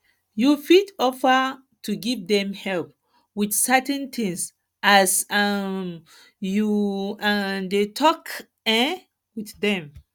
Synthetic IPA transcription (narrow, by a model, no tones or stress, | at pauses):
jufidɔfə | tʰuɡivdɛ̃mhɛlp̚ | wiθsɛtɛ̃nt̪ʰĩŋs | ʔasam | juandetʰɔk | ɛ̃ | wiθdɛ̃m